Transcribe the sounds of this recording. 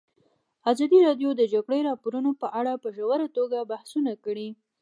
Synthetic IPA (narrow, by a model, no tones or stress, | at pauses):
azɑd̪iɾɑɖjod̪əd͡ʒaɡɽeɾɑpoɾunopəʔaɽapəʒawaɾat̪oɡabahsunakəɽi